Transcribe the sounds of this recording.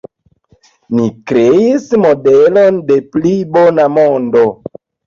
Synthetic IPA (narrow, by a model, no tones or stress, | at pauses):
nikɾeismodelonde̞plibonamondo